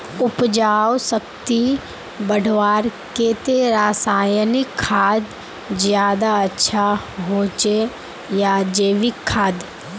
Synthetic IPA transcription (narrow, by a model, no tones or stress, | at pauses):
ʊpd͡ʒaːwsəkt̪i | bəɽʱʋaːɾket̪eɾaːsaːjənɪkʰːaːd̪ | zjaːd̪aətːʃʰa | ɦoːt͡ʃe | jad͡ʒeːʋɪkʰːaːd̪